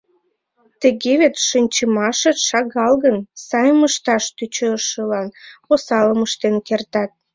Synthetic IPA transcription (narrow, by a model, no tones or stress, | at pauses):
t̪ə̆ɣeβet̪ʃənʲt͡ɕəmɑʃə̆ʃɑɣɑlɣənsɑjəməʃt̪ɑʃt̪yt͡ɕøʃəlɑnosɑləməʃt̪enkert̪ɑt̪̚